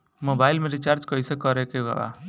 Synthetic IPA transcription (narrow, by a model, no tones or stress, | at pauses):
mobajlmẽɾit͡ʃaɾd͡ʒkɔjsekɔɾekea̰ba̰